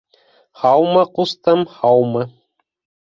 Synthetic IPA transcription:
hɑwmɤqust̪ɤmhɑwmɤ

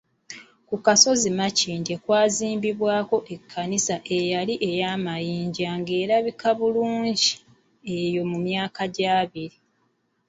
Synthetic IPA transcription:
kukaso̞zimaciːndekwaːziːmbiβwaːko̞ʔe̞kʰːanisaʔe̞jaliʔe̞jaːmajiːɲɟaŋɡe̞ːɾaβikaβuluːɲɟi | e̞jo̞mumjaːkaɟaːβiɾi

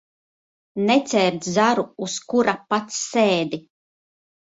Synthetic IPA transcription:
nɛt̪sʲɛːɾd̪zaɾuːskuɾapat̪sːeːd̪i

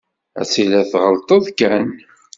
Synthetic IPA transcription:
æ̰silæθʁəlt̪ˤəðˤkæn

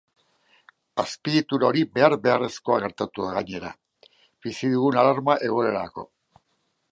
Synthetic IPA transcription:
aspiɾit̪uɾaɾibe̞aɾbe̞are̞sko̞aɣe̞ɾt̪at̪uaɣaɲe̞ɾa | bisiðuɣunalaɾmaʔe̞ɣ̞oeɾako̞̰

